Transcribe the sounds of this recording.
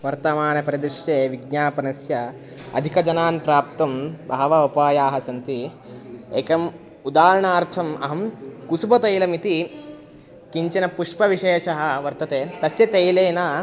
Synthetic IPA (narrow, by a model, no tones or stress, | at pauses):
ʋɐɾt̪ɐmaːnɐpɐɾɐd̪iʃjeːʋiɡ̚ɲaːpɐnɐsjɐ | ɐ̰d̪ʱikɐd͡ʒɐnaːnpɾaːp̚t̪ɐmbʱɐɐʋɐupaːjaːɦɐsɐnt̪i | eːkɐm | ud̪aːɾɐɳaːɾt̪ʰɐmɐ̰ɦɐmkusubɐt̪ɐjlɐmit̪i | kiɲt͡ʃɐnɐpuʂpɐʋiʃeːʃɐɦɐ̆ʋɐɾt̪ɐt̪eːt̪ɐsjɐt̪ɐjleːnaː